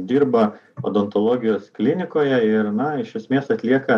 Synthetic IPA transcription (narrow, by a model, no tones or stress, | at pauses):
d̪ʲiːɾbɐo̰ːd̪ont̪olˠoːɡʲɪjoːsklʲɪnʲɪkoːjɛɪɾnɐɪʃʲɛsʲmʲeːsɐt̪ʲlʲiɛkɐ